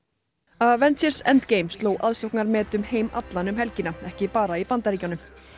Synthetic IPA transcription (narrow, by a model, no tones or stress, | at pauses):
aðvɛnt̪sɛ̥sɛ̰nt̪kejmst̪loːwʔaðsɔwhknaɾmɛːt̪ʏmhejma̰t̪lanʏmɦɛlcɪnaɛhcɪpaːɾaipant̪aɾiːcanʏm